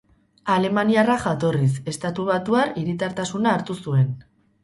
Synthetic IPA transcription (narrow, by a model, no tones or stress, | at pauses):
ale̞maniaraxat̪o̞ris̬e̞st̪at̪uβ̞at̪uariɾit̪aɾt̪asunaːɾt̪usue̞n